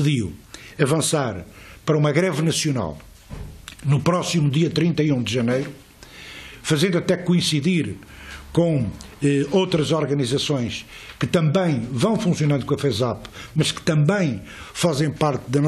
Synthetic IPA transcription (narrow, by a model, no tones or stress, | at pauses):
ɨðiwɐvɐ̃saɾpɐɾɐumɐɣɾɛvnɐsjuna̰lˠ | nupɾɔsimuðiɐt̪ɾĩnt̪ɐjũd̪ɨʒɐnejɾu | fɐzẽnd̪uɐt̪ɛkuĩsiðiɾ | kõ | ɛowt̪ɾɐzɔɾɣɐnizɐsõj̃ʃkɨt̪ɐ̃mbɐ̃j̃vɐ̃w̃fũsjunɐ̃d̪ukõɐfɛzapmɐʃkɨ̥t̪ɐ̃mbɐ̃j̃ | fazẽj̃paɾt̪ðɐn